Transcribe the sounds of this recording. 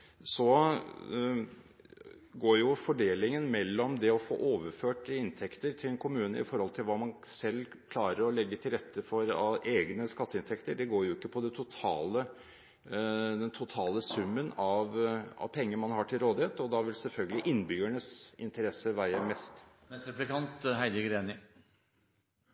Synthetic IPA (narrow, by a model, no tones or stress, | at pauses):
sɔ | ɡoːɾjʊfɔɖeːlɪŋənmɛlːɔmd̪ɛɔfo̰ːʔoːʋəɾføːʈɪnt̪ʰɛkt̪əɾt̪ʰɪlɛnkʰʊmʉːnə̰ɪ̰fɔɾhɔlt̪ʰɪlʋɑːmɑnsɛlː | kʰlɑːɾəɾɔlɛɡːət̪ʰɪlɾɛt̪ʰːəfɔɾɑʔeːɡnəskɑt̪ːəɪnt̪ʰɛkt̪əɖɛɡoːɾjʊɪkːəpʰɔd̪ɛt̪ʰʊt̪ʰɑ̰ːlə | d̪ɛnt̪ʰʊt̪ʰɑːləsʉmːənɑʋɑ̰ʋpʰɛŋːəmɑnhɑʈʰɪlɾoːd̪ɪheːt̪ɔd̪ɑʋɪlsɛlfœlɡəlɪʔɪnːbʏɡæɳəsɪnt̪əɾɛsəʋæɪəmɛst̪ | mɛt̪ɾɛplɪkɑnt̪ɦæɪd̪əɡɾeːnɪ